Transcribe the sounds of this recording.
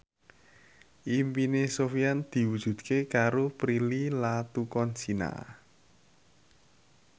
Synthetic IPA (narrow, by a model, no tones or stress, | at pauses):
ʔimpinesofijand̪̥i̤wud̥ʒ̥ṳd̪̚kekaɾopɾililat̪ukɔnsina̰